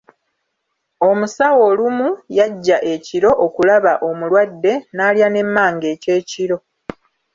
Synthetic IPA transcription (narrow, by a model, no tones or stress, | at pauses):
o̞musawo̞ːlumujaɟːaʔe̞ciɾo̞ʔokulaβaʔo̞mulwadːe̞naːljane̞mːaːŋɡe̞ːce̞ːciɾo̞